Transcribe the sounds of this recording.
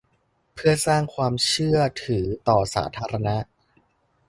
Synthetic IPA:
pʰɯ˥˩ɐsaː˥˩ŋkʰwaː˧mt͡ɕʰɯ˥˩ɐt̪ʰɯː˩˦t̪ɔː˨˩sa̰ː˩˦t̪ʰaː˧ɾa˧na˦˥ʔ

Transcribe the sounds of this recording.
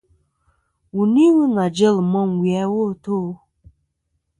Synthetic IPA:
wu˨ni˦wi˦na˨d͡ʒe˦lmɔ˦ŋ˨wja˦wo˦˨to˦

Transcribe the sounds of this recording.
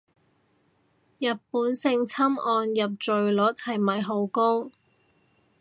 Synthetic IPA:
jɐ˨t̚puː˨˥nsɪ˧ŋt͡sʰɐ˥mɔː˧njɐ˨p̚t͡ʃɵ˨ɥlɵ˨˥t̚hɐ˨jmɐ˨jɦo˨˧˥wko˥w

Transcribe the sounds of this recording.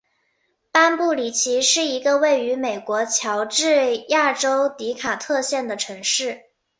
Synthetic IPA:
pa˥npu˥˩li˨˩t͡ɕʰi˧˥ʂɻ̩˥˩i˧˥ɡə˧we˥˩ɪy˧˥me˨˩ɪkwɔ˧˥t͡ɕʰjɑ˧˥ʊʈ͡ʂɻ̩˥˧ja˥˩ʈ͡ʂo˥ʊt̪i˧˥kʰa˨˩t̪ʰɤ˥˧ɕjɛ˥˩nd̪ə˩ʈ͡ʂʰɤ˧˥ŋʂɻ̩˥˩

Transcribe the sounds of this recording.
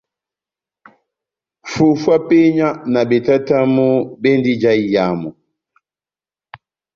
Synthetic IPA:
fu˨fwa˦pe˦ɲa˦na˨bɛ˨ta˦ta˦mu˦bɛ˦ndi˦d͡ʒa˦i˦ja˨˦mu˨

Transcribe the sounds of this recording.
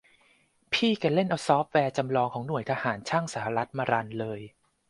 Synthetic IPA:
pʰiː˥˩ka˧le˥˩nʔaː˧˩wsɔː˦˥p̚wɛː˧t͡ɕa˧mlɔː˧ŋkʰɔː˩˦ŋnu˨˩əjt̪ʰa˧haː˩˦nt͡ɕʰaː˥˩ŋsaː˩˦ha˧ɾa˦˥t̪̚maː˧ɾa˧nlɤː˧j

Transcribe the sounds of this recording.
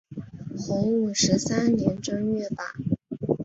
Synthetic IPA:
xʊ˧˥ŋu˨˩ʂɻ̩˧˥sa˥nnjɛ˧˥nʈ͡ʂɤ˥ŋɥɛ˥˩pa̰˨˩˦

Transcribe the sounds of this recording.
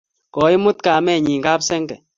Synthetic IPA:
kɔː˨i˦mu˦t̪̚ka˨mɛ˦˨ɲi˨ŋka˦psɛ˦ŋkɛ˨

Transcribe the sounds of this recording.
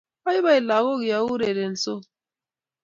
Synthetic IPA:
a˦jβa˦i˨la˨ɣo˦ɡja˨˦wu˦ɾe˨ɾe˨n̩˨so˦

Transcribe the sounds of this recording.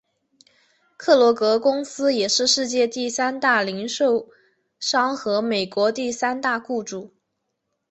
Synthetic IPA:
kʰɤ˥˩lwɔ˧˥kɤ˧˥kʊ˥ŋsɹ̩˥jɛ˨˩ʂɻ̩˥˧ʂɻ̩˥˧t͡ɕjɛ˥˧t̪i˥˩sa˥nt̪a˥˩li˧˥ŋʂo˥˩ʊ | ʂɑ˥ŋxɤ˧˥me˨˩ɪkwɔ˧˥t̪i˥˩sa˥nt̪a˥˧ku˥˧ʈ͡ʂu˨˩˦

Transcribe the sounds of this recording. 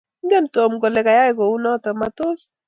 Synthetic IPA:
ŋ˦ɡɛ˦˨nto˨mɡɔ˨lɛ˨ka˨ja˦ɪ˦ko˨u˦nɔ˦tɔ˨ma˨to˦s

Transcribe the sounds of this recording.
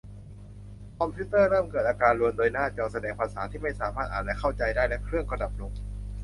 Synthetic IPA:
kʰɔ˧mpʰuː˦˥t̪ɤː˥˩ɾɤː˥˩mkɤː˨˩t̪̚aː˧kaː˧nlu˧əndoː˧jnaː˥˩t͡ɕɔː˧˩sa˧dɛː˧ŋpʰa˧saː˩˦t̪ʰiː˥˩ma˥˩jsaː˩˦maː˥˩t̪ʔaː˨˩n̚lɛ˧˥kʰa˥˩wt͡ɕa˧jdaː˥˩jlɛ˦˥kʰɾɯ˥˩əŋka˧da˨˩p̚lo˨˩k̚

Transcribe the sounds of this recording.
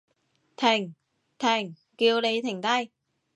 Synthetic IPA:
t̪ʰa˨˧˩ŋ̟ | t̪ʰa˨˧˩jŋ | ki˨˦əwɗə˨˦jt̪ʰa˨˧˩ŋ̟t̪a˧j

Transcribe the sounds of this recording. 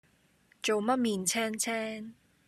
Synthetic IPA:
t͡ʃo˨wmɐ˥t̚miː˨nt͡sʰɛː˥ŋt͡sʰɛː˥ŋ

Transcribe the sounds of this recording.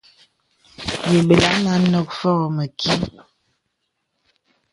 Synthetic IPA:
je˨bə˨la˦na˦nɔ˦k̚fɔ˦ɣɔ˨mə˨kʰi˦

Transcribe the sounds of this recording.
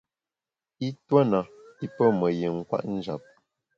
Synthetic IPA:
i˦twə˦na˨i˦pə˦mə˨je˨ŋ̩˦kwa̰˦ʔn̩˦d͡ʒa˨p̚

